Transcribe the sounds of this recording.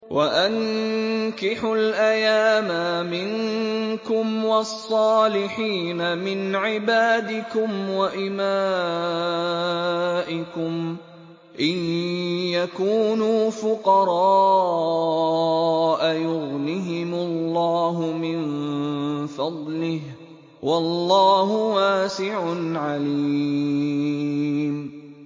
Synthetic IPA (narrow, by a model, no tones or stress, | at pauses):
wʔaʔaŋ | kɪħʊlʔajaːmamɪŋkʊmwɑsˤːɑːlɪħiːnamɪnʕɪbaːd̪ɪkʊmwaʔɪmaː | ʔɪkʊm | ʔɪnjakuːnuːfʊqɑɾˤɑː | ʔajʊɣnɪɦɪmʊlːɑːɦʊmɪn | fɑd̪ˤlɪh | wʔɑlːɑːɦʊwaːsɪʕʊnʕaliː | m